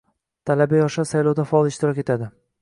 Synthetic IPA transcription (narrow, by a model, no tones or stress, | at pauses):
t̪ʰalabajɒʃasajlˠowd̪afaɒlˠɪʃt̪ɪɾɒkʲe̞t̪ʰad̪ɪ